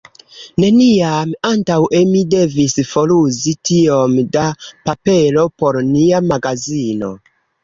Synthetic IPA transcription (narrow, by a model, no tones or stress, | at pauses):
ne̞niamantawemide̞visfo̞luzitio̞mdapape̞lo̞po̞ɾniamaɡazino̞̰